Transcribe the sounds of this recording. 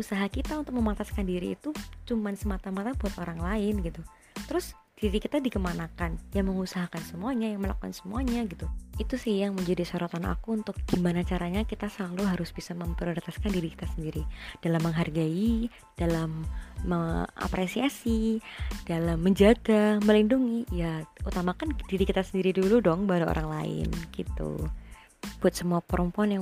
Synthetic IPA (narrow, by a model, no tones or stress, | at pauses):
usaɦakit̪aunt̪ʊk̚məmat̪askandiɾḭːt̪ut͡ʃumansəmat̪amat̪abuat̪oɾaŋlaɪnɡit̪u | t̪əɾʊs | d̥iɾikit̪adikəmanakanjaŋməŋusaɦakansəmuaɲajaŋməla̰kukansəmuaɲaɡit̪uit̪usɪhjaŋməɲd͡ʒadisoɾot̪anʔa̰kuːnt̪ʊk̚ɡ̥imanat͡ʃaɾaɲakit̪asəlaluɦaɾʊsbisaməmpəɾlt̪askandiɾiki̥t̪asəndiɾid̥alamːəŋɦarɡai | d̥alamːəŋa̰pɾesiasid̥alamːəɲd͡ʒaɡaməlinduŋijaut̪amakand̥iɾikit̪asəndiɾiduludɔŋbaɾao̰ɾaŋla̰ɪ̰nɡ̥it̪ṵ | b̥uat̪səmuapəɾəmpuanja